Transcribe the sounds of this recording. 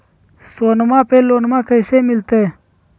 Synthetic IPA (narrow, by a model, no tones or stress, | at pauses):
soːnmãːpeːloːnmãːkəjseːmɪlt̪eː